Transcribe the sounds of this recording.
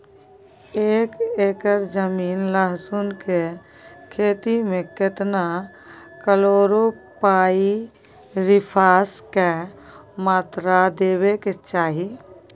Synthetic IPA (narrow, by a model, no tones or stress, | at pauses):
eːkeːkəɾd͡ʒəmiːnləɦsunke | kʰeːt̪imẽket̪na | kəloːɾo | paːi | ɾɪpʰaːske | maːt̪ɾad̪eːweket͡ʃaːɦi